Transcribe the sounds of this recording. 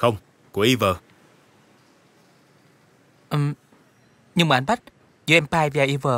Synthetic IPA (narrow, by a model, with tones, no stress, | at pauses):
xə˧wŋ͡m | ku˧˩əʔi˧vəː˨˩ | ʔə˨˩ | ɲɨ˧ŋɓ̰ːnɓa˦˥k̚ | zu˧˦ʔɛ˧mpaː˧jvaː˨˩ʔi˧vəː˨˩